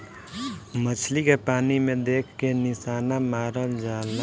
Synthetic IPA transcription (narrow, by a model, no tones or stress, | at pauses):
mət͡ʃʰlikepaːnimẽd̪eːkʰkenɪsaːnamaːɾəld͡ʒaːl